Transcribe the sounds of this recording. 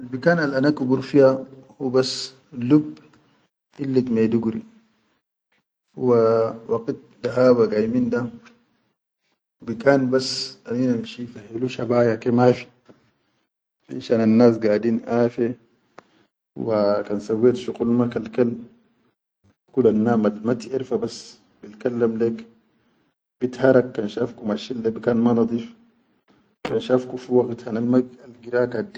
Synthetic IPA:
albikaːnalʔanakubuɾfijahubasː | lub | ʔilːit̪mad̪uɡɾḭ | huwawakit̪̚d̪aɦaːbaɡajmind̪a | bikaːnbasamiːnamʃifahiluʃabaːjakemaːfi̥ | bḭnʃaːnanːaːs̬ɡaːdiːnʔaːfe | wakansawːeːt̪ʃuqulmakalkal | kulanːaːmalmat̪iʔiɾfabas | b̥itkalːamleːk | b̥it̪haɾˤakːanʃafkumaʃilːabikaːnmanɑd̪ˤiːf | kanʃafkufiwaɡt̪hanalmaɡalɡiɾaːkad̪i

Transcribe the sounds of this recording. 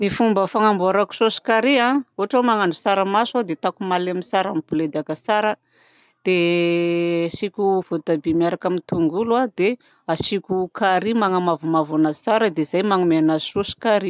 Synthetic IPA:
nifumbəfaŋambuaɾaku̥sosi̥kaɾiãoɦaʈ͡ʂawmaŋaɳɖ͡ʐusaɾamasad̪et̪akumalemisaɾamipuled̪akəsaɾə | d̪̥e | sikʲuv̥ot̪abimiaɾakamint̪uŋɡulad̪e | asikʲukaɾimaŋamavumavanasaɾəd̪eizajmaŋumeanasosi̥kaɾi

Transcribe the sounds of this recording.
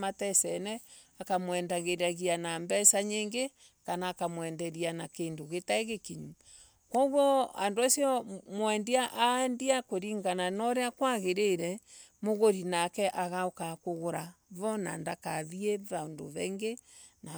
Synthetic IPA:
matɛsɛnɛ | akamwɛndaɣeɾaɣianambɛsaɲeːŋɡe | kanaːkamwɛndɛɾianakeːndoɣetaeɣekiɲu | kwɔɣwɔa̰ndoasiɔmwɛndiaʔaɛndiakoɾiŋɡananɔɾeakwaɣeɾeɾɛ | moɣoɾinakɛʔaɣaokakoɣoɾaβɔna̰ndakaðiɛβando̰βɛŋɡe | na

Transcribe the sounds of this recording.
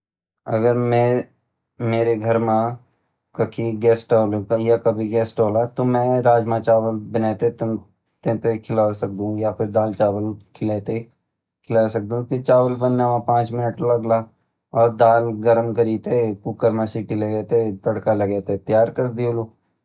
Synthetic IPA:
ɐ̰ɡəɾmɛ̃ | meːɾeɡʱɐɾmã | kɐkʰiɡɛːsʈoːlekajakɐbʱiɡɛːsʈoːlat̪omɛ̃ɾaːd͡ʒmãt͡ʃaːʋəlbɪnɛːt̪et̪ | t̪ẽt̪ekʰɪlasɐk̚d̪ũjapʰɪɾd̪aːlt͡ʃaːʋəlkʰɪleːt̪e | kʰɪlasɐk̚d̪ũk̪it͡ʃaːʋəlpɐnːamãpãːt͡ʃmɪnəʈlɐɡla | ɔːɾd̪aːlɡəɾəmkəɾiːt̪ekuːkəɾmasikɪleɡɛːt̪et̪ɐɽkalɐɡɛːt̪et̪jaːɾkɐɾd̪iuluː

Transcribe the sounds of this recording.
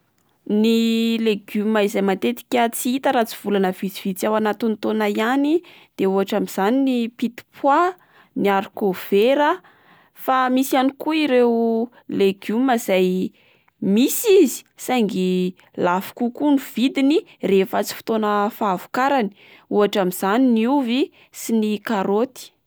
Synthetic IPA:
nileɡymaizajmant̪et̪i̥kʲət͡siit̪əɾat͡siv̥ulanəv̥it͡siv̥it͡sawanat̪int̪onajani | d̪̥euɦaʈ͡ʂamiz̥aninipit̪i̥pwa | niaɾukov̥eɾə | famisanikuiɾe | leɡumaz̥aj | misizi̥saŋɡi | lafu̥kukunuv̥id̪inirefət͡si̥fi̥t̪onəfaːvu̥kaɾani̥ | uaʈ͡ʂamiz̥aniniuvi | sinikaɾot̪i̥

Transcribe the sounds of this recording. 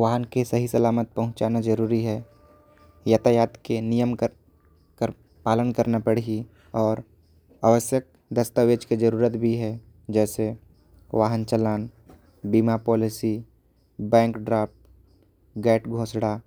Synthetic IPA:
ʋaːɦənkesɐɦisəlaːmət̪̚pəɦʊ̃nt͡ʃaːnad͡ʒəɾuːɾiɦɛ | jat̪ʰajaːt̪kenijəmkə | kə | paːlənkəɾnapəɽ̤ii | ɔːɾ | aːʋəsjək̚ | d̪əst̪aʋeːd͡ʒked͡ʒəɾuːɾət̪bʱiɦɛ | d͡ʒɛːse | ʋaːɦənt͡ʃəlaːn | biːmapɔːlɪsi | bɛ̃ːŋkɖɾaːp̚ | ɡɛːʈɡʱoːsɽa

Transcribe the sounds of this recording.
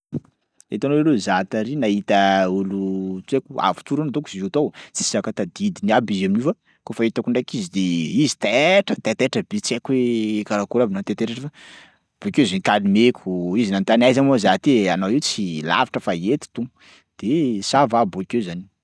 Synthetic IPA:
ḛt̪anoelezat̪aɾinaɦit̪əulut͡sekua̰vu̥t͡suɾunat̪oku̥sizut̪owt͡si̥siakat̪ad̪id̪iniabizaminiva | kofaet̪akuɳɖ͡ʐajkizid̪eizi̥t̪ɛʈ͡ʂət̪et̪ɛʈ͡ʂəbit͡sakwekaɾakuɾabinant̪et̪eɾeʈ͡ʂəfa | b̥okezenikalimekʰuizinant̪anajzamozat̪eanawiwt͡sila̰vaʈ͡ʂəfaet̪i̥t̪uŋ | d̪̥esavaboikezani̥

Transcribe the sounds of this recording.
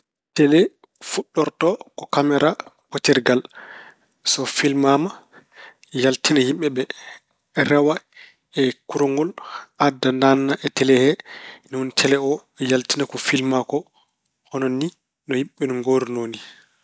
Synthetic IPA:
tɛlɛ | fuɗːɔɾtɔkɔkamɛɾʔapotɛɾɡal | sɔfilmama | jaltinahimɓɛɓɛ | ɾawa | ɛkuɾoŋɡɔlʔadːandanːaʔɛtɛlɛhɛniuntʰɛlɛɔ | jaltinakɔfilmakɔ | hɔnɔnːi | nɔhimɓɛnɔŋɡoɾinoːni

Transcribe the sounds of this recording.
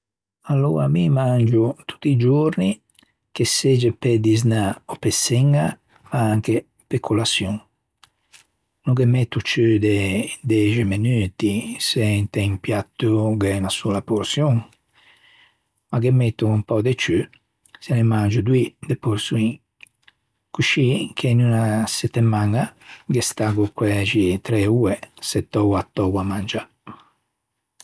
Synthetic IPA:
alːo̰ːɾamimand͡ʒut̪ʰu̥t̪ːid͡ʒoɾni | kesed͡ʒeped̪iz̬naopːesːɛŋːa | maaŋke | pekʰːolasjuŋ | nukemɛt̪ːut͡ʃyd̪ed̪ɛd͡ʒemenyːt̪isent̪ɛimpjat̪ːuɡenasulapoɾsjuŋ | maɡemːet̪ːuumpɔd̪et͡ʃy | selemand͡ʒud̪wid̪epuɾsui | kuʃikʰenunasɛt̪ːemaŋaɡest̪aɡukwɛd͡ʒit̪ɾɛuːɛset̪ːɔwat̪ːɔwamand͡ʒa

